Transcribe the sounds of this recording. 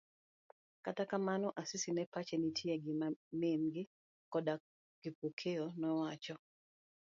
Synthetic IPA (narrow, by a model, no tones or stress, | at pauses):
katakamanɔʔasisinɛpat͡ʃenitʰjeɡɪmamemɡɪ | kɔda | ɡ̥ɪpukʰeonɔwat͡ʃɔ